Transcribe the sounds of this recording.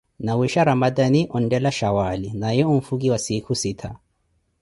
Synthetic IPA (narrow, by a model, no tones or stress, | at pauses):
nawiʃaɾamad̪aniʔɔndɛlaʃawalinajɛum̩fuɡiwasikʰusitʰa